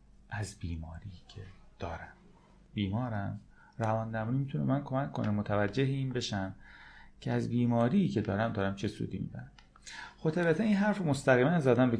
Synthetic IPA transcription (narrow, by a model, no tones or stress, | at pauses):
ʔæzbiːmɒːɾicʰed̪̥ɒːɾæm | biːmɒːɾæm | rævɒːnd̪æmuːniːmit̪ʰuneemænkʰo̞mæcʰːo̞̰nemot̪ʰævæd͡ʒːe̞ɦeiːnbe̞ʃæmcʰeæzbiːmɒːɾijːcʰe̞d̪ɒːɾæmd̪ɒːɾæmt͡ʃʰesṵːd̪ḭmḭbæ̰ɾæ | xot̪ʰeβet̪ʰeiːnɦæɾfemo̞st̪æɣiːmænzæd̪ænbo